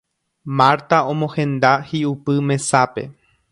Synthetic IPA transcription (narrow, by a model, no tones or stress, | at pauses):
maɾt̪aõ̞mõhẽ̞nd̪ahiupɨmẽ̞sape̞̰